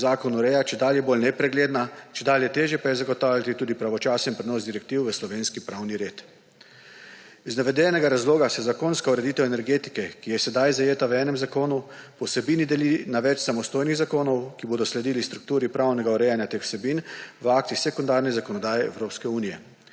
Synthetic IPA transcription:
zaːkɔnuɾɛjat͡ʃɛd̪aːljɛboːlnɛpɾɛɡleːd̪nat͡ʃɛd̪aːljɛt̪eːʒjɛpajɛzaɡɔt̪aːwlʲjat̪it̪uːd̪ipɾaʋɔt͡ʃaːsɛnpɾɛnɔːzd̪iɾɛk̚t̪iːwʋəslɔʋeːnskipɾawniɾeːt̪ | iznaʋɛd̪ɛnɛɡaɾazloːɡasɛzakoːnskauɾɛd̪it̪ɛwɛnɛɾɡeːt̪i̥kɛkijɛsɛd̪ajzajeːt̪awɛːnɛmzakoːnupɔwsɛbiːnid̪ɛlinaʋɛt͡ʃsamɔst̪oːjniɣzakoːnɔwkiboːd̪ɔslɛd̪iːlist̪ɾuk̚t̪uːɾipɾawnɛɡauɾɛjanjat̪eːxw̥sɛbiːnʋəak̚t̪ixsɛkund̪aːɾnɛzakɔnɔd̪aːjɛɛ̰wɾoːpskɛuːnijɛ̰

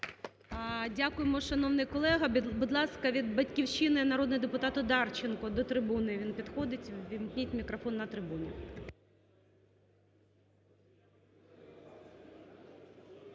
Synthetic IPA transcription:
dʲakʊjemɔʃɐnɔwnɪjkɔlˠɛɦɐbʊd̪lˠɑskɐʋʲid̪bɐtʲkʲiwʃinɪnɐɾod̪nɔɔd̪epʊt̪ɑt̪ʊd̪ɑrt͡ʃɪnkɔd̪ɔt̪ɾɪbunɪʋʲinpʲid̪xɔd̪ɪtʲʋʲimknʲitʲmʲikɾɔfɔnːɐt̪ɾɪbunʲɪ

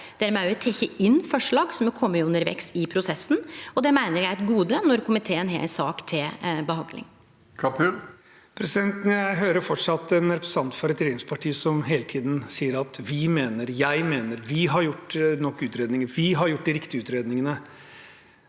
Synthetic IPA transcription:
d̪̥æɾmɛæɾʋɪt̪ʰɛçəɪnːfɔʂɭɑːɡsɔmkʰɔmːəʊʉnːəɾʋɛ̰ksɪpʰɾʊsɛsːn̩ɔd̪ɛmæɪnəɾjæɪɛt̪ɡuːd̪ənɔɾkʰʊmɪt̪ʰeːənɦḛːlsɑ̰ːkt̪ʰɪlbəhɑnd̪lɪ̰ŋ | kʰɑpʰʉl | pʰɾɛsɪd̪ɛnt̪njæɪɦøːɾəfɔʈʂɑt̪ːɛnɾɛpɾəsɑnt̪fɔɾɛt̪ʰɾeːnɪŋspʰɑʈʰiːsɔmɦeːlət̪ʰiːd̪n̩siːəɾɑt̪ʋɪmeːnəɾjæɪmeːnəɾʋɪɦɑɾjʊʈːnɔkːʉːt̪ɾeːd̪nɪŋəʋɪɦɑɾjʊʈ̚ːd̪ɪɾɪkt̪ɪəʉːt̪ɾeːd̪nɪŋənə

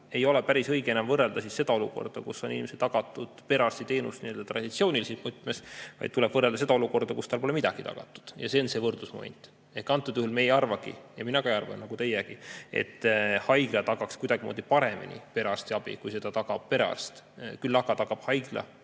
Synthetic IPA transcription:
e̞jo̞lɛpæɾisɤjɡ̥e̞nɑmvɤrːe̞ld̪ɑsisse̞d̪ɑo̞luko̞̰rd̪̥ɑkusːo̞ninimeset̪ːɑɡ̥ɑt̪ːˑud̪̥pe̞ɾɑst̪it̪e̞ːnṵst̪niø̞ld̪ɑt̪rɑd̪̥it̪sio̞ːnʲilisismut̪ːˑmesvɑ̰jd̪̥̚t̪uleb̥vɤrːe̞ld̪ɑse̞d̪ɑo̞luko̞rd̪̥ɑkust̪ɑlpo̞lemid̪ɑɡ̥it̪ɑ̰ɡ̥ɑt̪ːˑu̥d̪̥jɑse̞onse̞vɤrd̪̥lusmo̞̰mḛnʲt̪ːˑ | e̞hkɑnt̪ːˑud̪̥yhulmejɑrvɑɡḭjɑminɑɡ̥ɑejɑrvɑ̰nːɑɡut̪e̞jɛɡ̥ie̞̰t̪ːhɑjɡ̥lɑt̪ɑɡɑkskujd̪ɑɡ̥imo̰ːd̪ipɑɾe̞mḭnʲḭpe̞ɾɑst̪iɑb̥ḭkujse̞d̪̥ɑt̪ɑɡɑb̥̚pe̞ɾɑ̰st̪kylːɑɡɑt̪ɑkɑb̥hɑjɡ̥lɑ̰

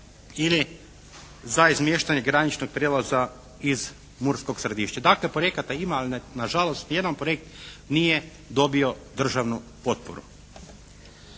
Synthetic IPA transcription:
ili | zaizmje̞ʃt̪aɲeɡɾanit͡ʃnoɡ̚pɾjeːlaza | iz | muɾsko̞ksɾed̪iːʃt͡ɕad̪akle̞pɾoje̞kat̪aimaːlinaʒalˠost̪je̞d̪anpɾoje̞k̚t̪nije | d̪o̞bio̞ | d̪r̩ʒaʋnupo̞t̪̚po̰ɾṵ

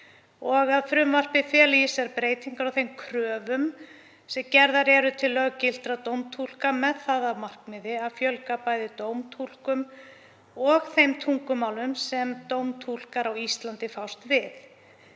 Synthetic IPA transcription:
ɔɣaðfɾʏmvar̥pɪfɛlijɪsɛɾpɾeːjt̪iŋkaɾawθejmkʰɾœːvʏm | sɛmcɛɾðaɾɛɾʏt̪ʰɪlːœɣacɪl̥t̪ɾat̪owmt̪ʰul̥kamɛðθaːðavmar̥kmɪðɪaðfjœlkapaːjðɪt̪oːwmt̪ʰul̥kʏm | ɔɣθejmt̪ʰuŋkʏmawlʏmsɛmt̪owmt̪ʰul̥kaɾawist̪lant̪ɪfawst̪vɪθ

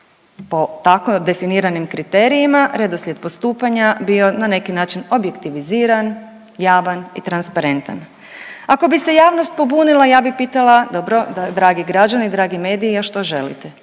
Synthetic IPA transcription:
po̞t̪ako̞d̪e̞finiːɾanimkɾit̪eːɾijimaɾed̪osʎʲed̪̚po̞st̪uːpaɲabio̞nane̞kinaːt͡ʃino̞bje̞kt̪iʋiziːɾan | jaːʋanḭt̪ɾanspaɾe̞nt̪a̰n | ako̞bise̞jaːʋnost̪̚po̞buːnilˠajaːbixpiːt̪alˠad̪o̞bɾo̞d̪ad̪ɾaːɡiɡɾad͡ʒaniid̪ɾaːɡime̞ːd̪iiaʃt̪o̞ʒe̞̰lḭt̪e

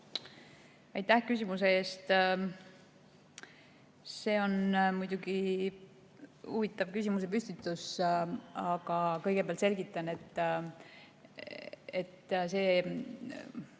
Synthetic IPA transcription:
ɑjt̪ːæhkys̬ʲimus̬e̞e̞ːst̪ | se̞ːo̞nmujd̪̥uɡi | uvit̪ːˑɑvkysʲimus̬e̞p̬ysʲt̪it̪ːˑus | ɑɡ̥ɑkɤ̞jɡ̥e̞peæɑlt̪se̞lɡit̪ːˑɑne̞t̪ˑː | et̪ːse̞ː

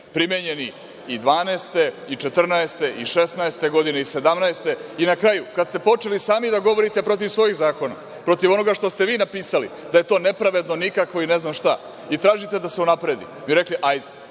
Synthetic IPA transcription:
pɾimeɲeni | id̪ʋaːneːst̪e̞ | it͡ʃet̪r̩naest̪e̞ʔiʃe̞snaest̪e̞ɡo̞d̪ineise̞d̪amnaest̪e̞inakɾajukad̪st̪e̞po̞t͡ʃe̞lisaːmid̪aɡo̞ʋo̞ɾit̪e̞pɾo̞t̪iʋsʋo̞jiɣzaːko̞na̰ | pɾo̞t̪iʋo̞no̞ɡaʃt̪o̞st̪eʋiːnapiːsalḭ | d̪aje̞t̪o̞ːne̞pɾaʋe̞d̪no̞nikakʋo̞ineznaːmʃt̪a | it̪ɾaːʒit̪e̞d̪aseunapɾe̞d̪ḭmiɾekliʔajd̪e

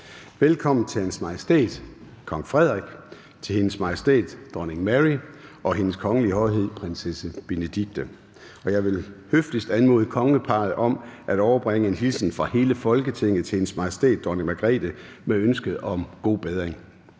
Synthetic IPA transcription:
ʋelkʰɒ̽m̰n̩t͡sʰe̝lhænsmɑ̈jəsd̥e̝̰ːd̥ | kʰɒ̽ŋfʁɛð̞̰ˠʁiɡ̥ | t͡sʰe̝he̝nəsmɑ̈jesd̥e̝̰ːd̥d̥ɒne̝ŋmæʁiɒ̽ɦe̝nəskʰɒ̽ŋəliəhɒ̽ɪɦe̝ð̞̰ˠpʰʁensesəb̥e̝ned̥iɡ̥̚d̥ə | ɒ̽jɑ̈ɪʋe̝lhøfd̥isd̥ænmo̝ːð̩ˠəkʰɒ̽ŋəəpʰɑ̈ːð̩ˠʔɒ̽mʔæɾ̥ɒʊɐb̥ʁeŋ̰əe̝nɦilsn̩fʁɑ̈he̝ːləfɒ̽lɡ̥ət͡sʰe̝ŋ̰ð̩ˠt͡sʰe̝he̝nsmɑ̈jəsd̥e̝̰ːd̥ːɒneŋmæɡ̥ʁɛ̰d̥ə | meønsɡ̥əð̩ˠɒ̽mɡ̥o̝̰ːb̥eðˠʁeŋ

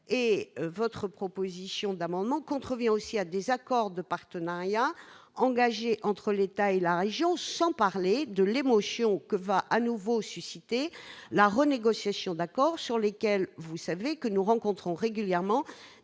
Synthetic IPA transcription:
evɔt̪χəpχɔpozisjɔ̃d̪amɑ̃d̪mɑ̃kɔ̃t̪χəvjɛ̃osiad̪ezakɔʁd̪əpaʁt̪ənaʁjaɑ̃ɡaʒeʔɑ̃t̪χəlet̪aelaʁeʒjɔ̃sɑ̃paʁled̪əlemɔsjɔ̃kəvaʔanuvosysit̪elaʁəneɡɔsjasjɔ̃d̪akɔʁsyʁlekʲɛlvusavekənuʁɑ̃kɔ̃t̪χɔ̃ʁeɡʲyljɛʁmɑ̃

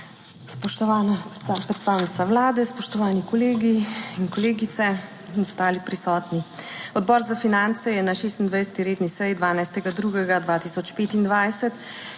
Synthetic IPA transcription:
spɔʃt̪ɔʋaːnapɾɛt̪st̪aːwnit̪sawlaːd̪ɛspɔʃt̪ɔʋaːnikɔleːɡiinkɔleːɡit̪sɛ | inɔst̪aːlipɾisɔːt̪niɔd̪bɔːɾzafinant̪sɛjɛnaʃeːst̪ind̪ʋəjsɛ̥t̪iɾeːd̪nisɛjd̪ʋaːnajst̪ɛɡad̪ɾuːɡɛɡad̪ʋaːt̪iːsɔt͡ʃpeːt̪ind̪ʋajsɛt̪

